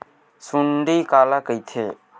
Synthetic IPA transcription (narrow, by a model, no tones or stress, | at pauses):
suɳɖikaːlakəjt̪ʰḛ